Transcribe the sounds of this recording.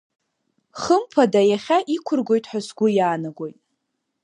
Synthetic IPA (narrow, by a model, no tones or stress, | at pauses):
χəmpʰadajaχʲaʔikʷʰʊrɡʷo̞jtʼħʷasɡʷʊjaːnaɡʷo̞jtʼ